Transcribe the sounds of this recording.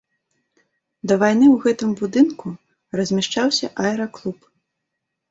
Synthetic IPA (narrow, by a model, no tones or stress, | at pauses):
d̪ɐvajn̪ɨwɣɛt̪ɨmbud̪ɨnku | rɐzʲmʲaʂt͡ʂawsʲɐ̰ʔaɛɾɐklˠup